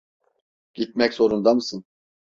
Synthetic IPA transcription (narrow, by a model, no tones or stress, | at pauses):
ɟ̥it̪̚mɛczo̞ɾund̪amɯsɯn